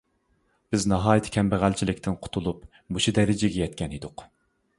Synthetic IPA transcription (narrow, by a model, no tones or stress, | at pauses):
b̥ɪznɑɦɑːjit̪ʰɪ̥kʲʰɛmbæʁælt͡ʃʰilɪkʲt̪ʰɪnqʰʊ̥t̪ʰulˠup | muʃud̪ɛɾɪd͡ʒɪɡʲɛjɛt̪̚kʲʰɛnid̪ʊq